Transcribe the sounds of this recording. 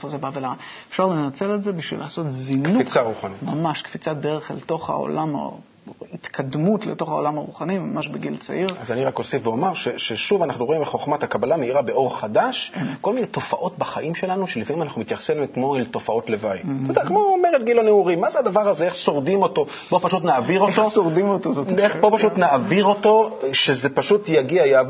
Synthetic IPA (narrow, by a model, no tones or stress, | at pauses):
efozebavelaa | e̥fʃaʁle̞nat͡se̞lelze̞biʃvḭlaːso̞t̪zinkuikt͡saʁuχanimamaʃkfit͡sat̚beeχelt̪o̞χa̰o̰lama̰ | hit̪kʰad̪mutleto̞χao̞lamaʁuχanimamaʃbeɡilt͡sa̰ʔiʁazaniʁako̞sifveomaʁʃeʃeʃuvanaχnuʁoimbeχoχmat̪akabalameiʁabeo̞ʁχad̪aʃko̞lminet̪o̞faʔo̞tbaχaʔimʃe̞lanuʃelifamimanaχnumit̪jaχsimmkmo̞elto̞fao̞tle̞vajt̪od̪akmo̞ome̞ʁet̚ɡiloneuʁimːazead̪avaʁazeeχso̞ʁdimo̞to̞ | b̥o̞paʃut̪naːviʁotosoʁdimot̪ozoteχpopaʃut̪naʔaviʁo̞to̞ʃezepaʃutjaɡiajav